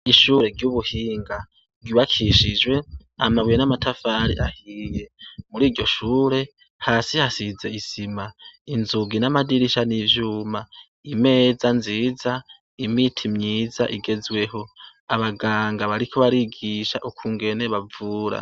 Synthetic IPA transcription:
iʃuːɾe̞ɾɟuβuhiːŋɡa | ɡiβakʰiʃid͡ʒwe̞amaβwienamatʰafaɾḭʔahije̞muɾiːɟo̞ʃuːɾe̞ | haːsihasize̞isimainzuɡinamadiɾiʃanivjuːma | ime̞ːzanziːza | imitʰimɲiːza̰ʔiɡe̞zwe̞ɦo̞ | aβaɡaːŋɡaβaɾikʰoβaɾiɡiʃaʔukʰuːŋɡe̞ne̞βavuːɾa̰

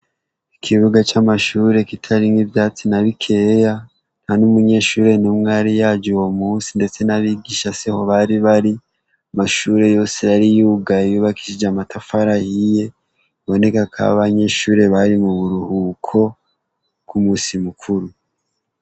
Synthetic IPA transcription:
ikʰiβuɡat͡ʃamaʃuːɾe̞kitʰaɾiŋɡivjaːt͡sinaβikʰe̞ja | n̥hanumuɲe̞ʃuːɾe̞numŋaɾijad͡ʒuwomuːsinde̞t͡se̞naβiːɡiʃasiho̞βaɾiβaɾi | amaʃuːɾe̞jo̞ːse̞jaɾijuɡaijuːβaki̥ʃid͡ʒamatafaɾahije̞ | βo̞ne̞kakʰa̰βaɲe̞ʃuːɾe̞βaɾimuβuɾuhuːkʰo̞ | kumusimukʰuɾu

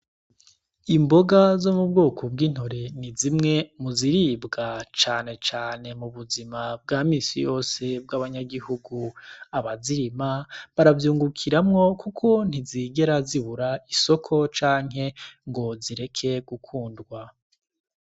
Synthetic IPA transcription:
imbo̞ɡazo̞mub̚ɡo̞ːkʰobɡiːn̥hoɾe̞nizimŋe̞muziɾiːbɡat͡ʃaːne̞t͡ʃaːne̞muβuzimab̚ɡaːmiːsijo̞ːse̞b̚ɡaːβaɲaɡihuɡuaβaziɾimaβaɾavjuːŋɡukʰiɾamŋo̞kukʰo̞n̥iziɡe̞ɾaziβuɾaiso̞kʰo̞t͡ʃaːŋɦe̞ŋɡo̞ziɾe̞kʰe̞ɡ̥ukʰuːndɡwa

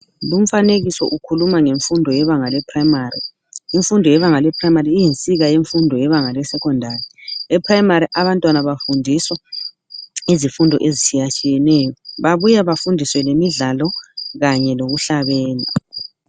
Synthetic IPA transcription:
lum̩faneɣisɔ̰ʔukʰulumaŋeɱfundʱɔjɛβaŋalɛpʰraimarḭː | ɱfundʱɔjɛβaŋalɛpʰraimariːjint͡sʼiɣajeɱfundʱɔjɛβaŋalɛsɛkʰɔndʱariɛpʰrajimaɾiʔaβantʼwanaβafundʱiswa | izifundʱɔ̰ʔezit͡ʃʰʼijat͡ʃʼijɛnɛjɔβaβujaβafundʱiswɛlemiɮalɔɣaɲɛloɣuɬaβɛːla

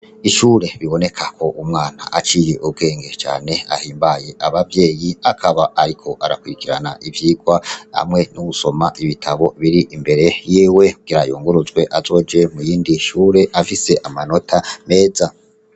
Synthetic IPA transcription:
iʃuːɾe̞βiβo̞ne̞kʰakʰo̞ʔumŋaːna̰ʔat͡ʃiːje̞ʔub̚ɡe̞ːŋɡe̞t͡ʃa̰ːne̞a̰hiːmbaje̞ʔaβavje̞ːjiakʰaβaʔaɾikʰo̞ʔaɾakwiɾikiɾa̰na̰ʔivjiːɡwaha̰mŋe̞nuɡuso̞maʔiβitʰaβo̞βiɾiʔimbe̞ɾe̞jiːwekuɡ̥iɾajoːŋɡuɾuzɡwe̞ʔazo̞ːd͡ʒe̞mujiːndiʃuːɾe̞ʔafise̞ʔamano̞tʰame̞ːza

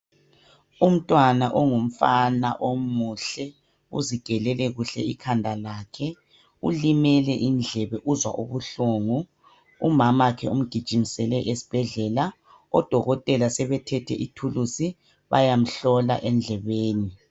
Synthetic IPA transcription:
um̩tʼwanaʔɔŋum̩fana̰ʔomuɬɛ | uziɡ̥ʱɛlɛlɛɣuɬɛ̰ikʰandʱalaːkʰɛ | ṵlimɛlɛʔind͡ɮʱɛβɛʔuzwa̰ʔuβuɬoːŋu | umamakʰɛum̩ɡ̥ʱid̥ʒ̥ʱinisɛlɛʔesi̥b̥ʱɛɮɛːla | ɔd̥ʱɔɣɔtʼɛlasɛβɛtʰɛtʰɛ̰ʔitʰulusi | βa̰jam̩ɬɔla̰ʔɛnd͡ɮʱɛβeːni

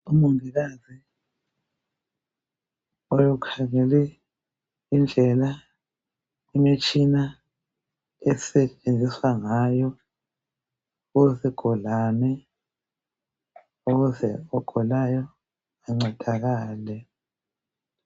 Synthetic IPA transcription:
umuŋiɣazi | ojɔkʰaŋɛlɛ | ind͡ɮʱɛla | imit͡ʃʰʼina | ɛsɛt͡ʃʼend͡zʱiswaŋajɔ | uzɛɡ̥ʱɔlanɛ | uɣuzɛɔɡ̥ʱɔlajɔ | aŋ͡ǀɛd̥ʱaɣaːlɛ

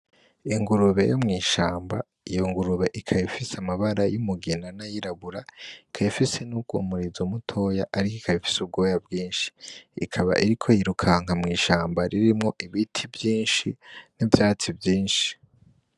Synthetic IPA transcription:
iŋɡuɾuβe̞̰jomŋiːʃaːmba̰ | ijo̞ŋɡuɾuβe̞ʔikʰajifiseamaβaɾajumuɡinanajiɾaβuɾaikʰajifise̞nuɡṵmuɾizumutʰo̞jaʔaɾikikʰajifi̥sub̚ɡo̞ːjabɡiːnʃi̥ːkʰaβa̰ʔiɾikʰo̞jiɾukʰaŋhamŋiːʃaːmbaɾiɾimŋo̞ʔiβitʰivjiːnʃinivjaːt͡sivjiːnʃi̥

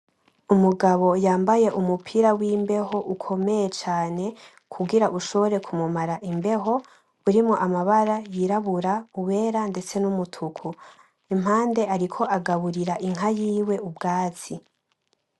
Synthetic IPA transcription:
umuɡaβo̞jaːmbaje̞ʔumupʰiːɾawiːmbe̞ho̞ʔukʰo̞me̞je̞t͡ʃaːne̞ | kʰuɡiɾaʔuʃo̞βo̞ɾe̞kʰumumaɾaʔimbe̞ɦo̞ | uɾimŋoʔamaβaɾajiɾaβuɾauβe̞ːɾande̞t͡se̞numutʰukʰu | im̥ɦaːnde̞aɾikʰo̞ʔaɡaβuɾiɾaʔiŋ̥ɦajiːwe̞ubɡaːt͡si

